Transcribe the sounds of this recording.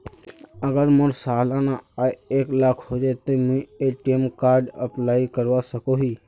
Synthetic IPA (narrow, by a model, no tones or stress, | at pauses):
əɡəɾməɾsaːlanaaːjeːklaːkʰɦod͡ʒaːt̪omə̃ieʈeːmkaːɾɖə̰plaːikəɾʋasəkoɦiː